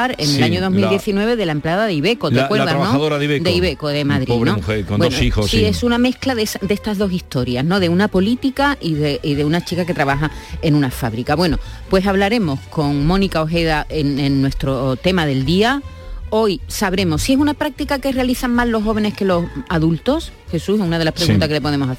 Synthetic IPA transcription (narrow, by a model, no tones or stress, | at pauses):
aɾenelaɲoðo̞ɦmild̪jeθinwe̞β̞eðe̞laemplaðaðeiβe̞kot̪eakweɾðaɾnoðoɾaðed̪eiβekoðemaðɾinoebwenosisiesuname̞hklaðesad̪eest̪aɦðo̞sist̪o̞ɾjazno̞ðe̞unapo̞lit̪ikaiðeiðe̞unat͡ʃikake̞t̪ɾaβaxae̞nũnafaβɾikaβwe̞no̞pwe̞saβlaɾe̞mo̞sko̞ŋmõ̞nikaoɦe̞ðaeŋenːwe̞st̪ɾo̞t̪e̞maðe̞ld̪iao̞jsaβɾe̞mossie̞sunapɾak̚t̪ikake̞realiθaŋmallo̞hːo̞β̞e̞ne̞hke̞lo̞saðult̪o̞sxe̞susunaðe̞lahpɾeɣunt̪akele̞po̞ðe̞mo̞sa